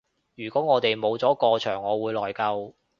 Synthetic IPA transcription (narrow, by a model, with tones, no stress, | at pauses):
jyː˨˩kɔː˨˥ŋɔː˨˧t̪e˨jmo˨˧wt͡sɔː˨˥kɔː˧t͡ʃʰœː˨˩ŋːɔː˨˧wuː˨˧jlɔː˨˩jkɐ˧w